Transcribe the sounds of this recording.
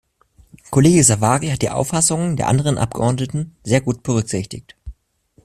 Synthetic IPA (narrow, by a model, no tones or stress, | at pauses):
kʰoleːɡəzavaːʁihat̚d̥iːʔa̰ʊfasʊŋəndeːɐʔa̰ndəʁ̞ənʔa̰pɡ̥əʔɔɐtnətn̩zeːɐɡuːt̚b̥əʁʏkz̥ɪçtɪ̰çt